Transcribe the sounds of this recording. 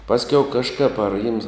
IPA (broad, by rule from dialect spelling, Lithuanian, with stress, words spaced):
ˈpɑːsʲkʲɛʊ kɐʃˈkɐp ɐr jɪms